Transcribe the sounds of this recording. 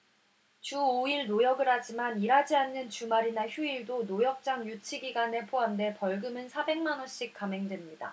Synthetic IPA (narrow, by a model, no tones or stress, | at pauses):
t͡ɕuoiɭnojʌɡɯɾɦad͡ʑimaniɾad͡ʑianːɯnt͡ɕumaɾinaçjuiɭdonojʌk̚t͡ɕ͈aŋjut͡ɕʰiɡiɡane̞pʰoɦande̞pʌɭɡɯmɯnsʰabe̞ŋmanʌɕ͈ik̚k͈ame̞ŋdwe̞mɲida̰